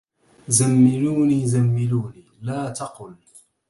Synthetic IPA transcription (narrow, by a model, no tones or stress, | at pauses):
zamːɪluːniːzamːɪluːniːlaːt̪ɑqʊl